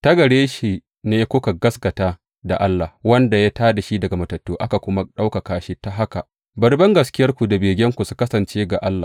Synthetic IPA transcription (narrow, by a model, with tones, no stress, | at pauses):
tɐ˦ɡɐ˨ɽeː˦ʃi˨ | neː˦kʷʊ˦ka˨ɡɐ˦sɡɐ˨taː˦ | da˨ʔa˦lːa˨wɐ˦nda˨jaː˦taː˦da˨ʃi˦dɐ˨ɡa˨mɐ˨tɐ˨tːoː˦ʔa˦ka˨kʷʊ˦ma˦ɗa˦wka˨kaː˨ʃi˦ta˦ɦa˦ka˨ʔ | bɐ˨rbɐ˦ŋɡɐ˨skʲɪ˦jɐ˦rkʷu˨da˨beː˨ɡʲɛ˦ŋkʷu˨su˦kɐ˦sɐ˨nt͡ʃeː˦ɡa˨ʔa˦lːaː˨